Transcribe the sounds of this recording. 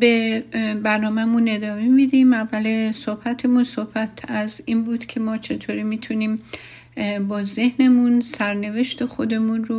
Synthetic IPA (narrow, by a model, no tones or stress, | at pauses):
be̞bæɾnɒːmæmune̞d̪ɒːmemid̪imævːælesohbæt̪ʰemunsohbæt̪ʰæziːnbuːd̪̥cʲʰe̞mɒːt͡ʃʰet̪ʰoːɾimiːt̪ʰuniːm | bɒːze̞hne̞munsæɾne̞ve̞ʃt̪ʰe̞xo̞d̪e̞munro